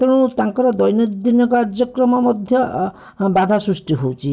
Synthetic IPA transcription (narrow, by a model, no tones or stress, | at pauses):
t̪ɔɽ̃ũt̪aŋkɔɾɔd̪ɔjnɔd̪inɔkɔaɾd͡ʒɔkɾɔmɔmɔd̪ʱjɔ | bad̪ʱasɾusʈiɦowt͡ʃʰi